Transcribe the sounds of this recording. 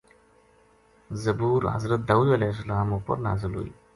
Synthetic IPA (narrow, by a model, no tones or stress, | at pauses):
zɐbuːɾɦɐ̰zɾət̪̚d̪ɐwujɐlɛːɦs̬ɐlaːmuːpɐ̰ɾnaːzɪlɦo̰ḭː